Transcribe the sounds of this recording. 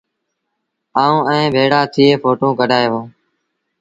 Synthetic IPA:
aːũːɛ̃ẽːbʱeːɽaːt̪ʰiːeːfʰoːʈõːkəɖʱaːjɦõː

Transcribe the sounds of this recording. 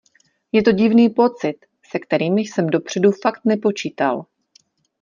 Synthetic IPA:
jɛt̪o̞ɟɪvniːpo̞t͡sɪt̪ | sɛkt̪ɛɾiːmɪsɛmdo̞pr̝̥ɛdufakt̪nɛpo̞t͡ʃiːt̪a̰l

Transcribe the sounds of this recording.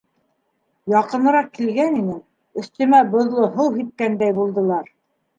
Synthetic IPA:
jɑqɤ̆nɤ̆ɾɑqkːilɡæninɘ | ɵ̆θt̪ɵ̆mæbŏðlˠoɦɤwɦit̪̚kænd̪æjbulˠd̪ɤ̆lˠɑɾ

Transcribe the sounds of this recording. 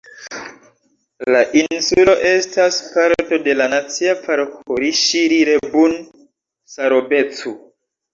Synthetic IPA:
laʔinsulo̞ʔe̞staspaɾto̞de̞lanat͡siapʰaɾkʰoɾiʃiɾiɾebun | saɾobe̞t͡su

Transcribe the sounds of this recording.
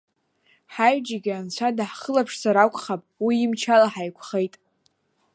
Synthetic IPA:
ħajd͡ʒaɡʲant͡ɕʷʰadaħχəlapʰʂsaɾakʷʼχapʼwiːmt͡ʃʰalaħajkʷʰχejtʼ

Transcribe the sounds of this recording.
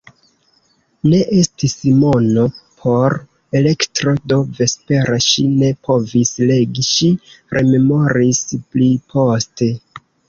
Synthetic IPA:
ne̞ʔestismo̞no̞pʰo̞ɾ | e̞le̞ktɾo̞do̞ve̞spe̞ɾaʃine̞pʰo̞visle̞ɡiʃiɾʔe̞̰me̞mo̞ɾisplipʰo̞ste̞

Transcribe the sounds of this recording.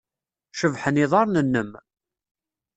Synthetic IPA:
ʃəvħəniðˤɑɾˤnənːəm

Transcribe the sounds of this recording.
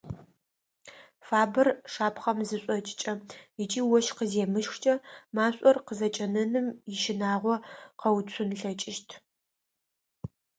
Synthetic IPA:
faːbɨrʂaːpʰχɐmzɨɕʷʼɔt͡ʃʼɪt͡ʃʼɐjɪt͡ʃʼiːwɔʃqəzeːmɨʃxʷt͡ʃʼɐmaːɕʼɔrqəzɐt͡ʃʼɐnɨnɨmjɪʃɪnaːʁʷɔqɐwt͡sʷʰʊnɬɐt͡ʃʼɪʃtʰ

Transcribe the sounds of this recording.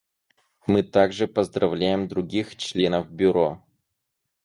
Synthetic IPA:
mɨt̪aɡʐɨpəzd̪ɾɐvlʲæjɪmd̪ɾʊɡʲixt͡ɕlʲenəfbʲʊɾo

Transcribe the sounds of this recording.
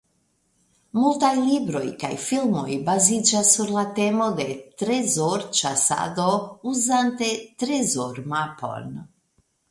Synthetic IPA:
mult̪ajlibɾojka̰jfilmo̰jbazid͡ʒasːuɾlat̪emod̪et̪ɾezoɾt͡ʃasa̰d̪ouzant̪et̪ɾezoɾmapo̰n

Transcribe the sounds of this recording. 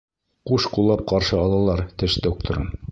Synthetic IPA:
quʃqulˠːɑp̚qɑɾʃɤɑlˠɑlˠɑɾt̪ɘʃd̪ok̚t̪oɾɤ̰n

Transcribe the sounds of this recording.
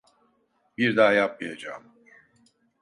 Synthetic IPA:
biɾd̪aːjap̚mijad͡ʒa̰ːm

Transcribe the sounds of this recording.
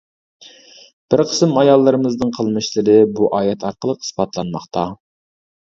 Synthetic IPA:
b̥ɪɾqʰə̥sɨmɑjɑlˠːɨɾɨmɨznɨŋqʰəlˠmɨʃlˠɨɾɨbuʔɑːjɛt̪ʰɑɾqəlˠəqispɑt̪ʰlˠɑnmɑχt̪ʰɑ

